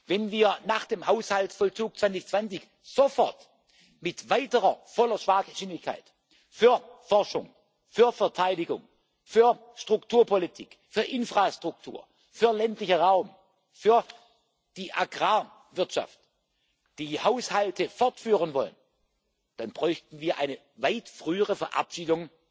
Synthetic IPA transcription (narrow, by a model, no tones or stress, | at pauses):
vɛnviːɐnaːχd̥eːmhaʊshaltfɔlt͡suːk̚t͡sv̥ant͡sɪçt͡sv̥ant͡sɪç | z̥ofɔɐt | mɪtv̥aɪtəʁɐfɔlɐʃv̥aːɡəʃɪnlɪçkʰa̰ɪt | fyːɐfɔɐʃʊ̰ŋ | fyːɐfɛɐtʰaɪdɪɡʊ̰ŋ | fyːɐ | ʃtʁ̥ʊktʰuːɐpʰolitʰik | fyːɐʔɪnfʁ̥astʁ̥ʊk̚tʰṵːɐ | fyːɐlɛntlɪçəʁaʊm | fyːɐ | d̥iːʔaɡʁaː | vɪɐtʃa̰ft | d̥iːhaʊshaltʰəfɔɐtfyːʁənvɔlə̰n | d̥anb̥ʁɔʏçtn̩viːɐʔaɪnə | vaɪtfʁ̥yːəʁəfɛɐʔa̰pʃiːdʊŋ